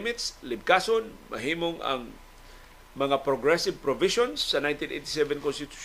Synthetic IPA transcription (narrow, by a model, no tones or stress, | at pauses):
mɪt̪slɪb̚kasonmɐ̰ɦiːmoŋɐ̰ŋ | mɐŋapɾoɡɹɛsɪvpɾoviʃonsːɐnajnt̪inʔejt̪ɪsɛvɛnkɔnst̪ɪt̪u̥